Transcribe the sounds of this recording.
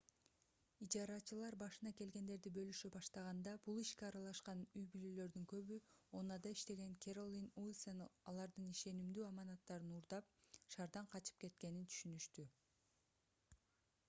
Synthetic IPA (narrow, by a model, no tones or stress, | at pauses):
id͡ʒɑɾɑt͡ʃɯlˠɑɾbɑʃɯnɑke̞lɡe̞nd̪e̞ɾd̪ibø̞lyʃybɑʃt̪ɑʁɑnd̪ɑbulˠiʃkeɑɾɑlˠɑʃqɑnyjbylølø̞ɾd̪yŋkø̞βyo̞nɑd̪ɑiʃt̪e̞ɡe̞ŋkʰʲeɾolʲˠinulʲˠsenɑlˠɑɾd̪ɯniʃe̞nimd̪yːɑmɑnɑt̪ːɑɾɯnuɾd̪ɑp̚ʃɑɾd̪ɑɴqʰɑt͡ʃɯ̥p̚ke̞t̪ke̞nint̪ʰy̥ʃynyʃt̪y